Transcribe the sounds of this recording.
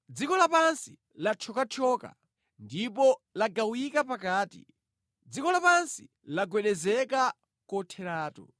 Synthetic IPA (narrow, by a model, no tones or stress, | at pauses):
d͡zikɔlapansi | lat͡ʃʰɔkat͡ʃʰɔka̰ | ndipɔlaɡawikapakaːtḭ | d͡zikɔlapansi | laɡwɛɗɛzɛka | kɔtʰɛɾaːtɔ̰